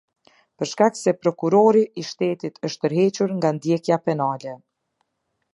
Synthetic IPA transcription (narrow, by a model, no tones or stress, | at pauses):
pəɾʃkak̚t̪sɛpɾɔkuɾɔɾiʔːʃt̪ɛt̪it̪ʰəʃt̪̚əɾɦɛt͡ɕuɾŋɡand̪jɛkjapɛnalɛ